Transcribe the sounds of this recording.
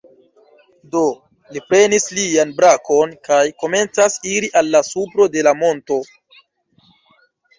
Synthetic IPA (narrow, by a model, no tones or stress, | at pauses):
do̞ | lipɾe̞nislianbɾakʰo̞nkajko̞me̞nt͡sasiɾiʔalːasupɾo̞de̞lamo̞nto̞